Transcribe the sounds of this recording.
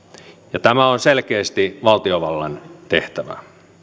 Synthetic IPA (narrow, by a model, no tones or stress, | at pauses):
jɑt̪æmæonselkeːst̪iʋɑlt̪ioʋɑlːɑnt̪eht̪æʋæ̰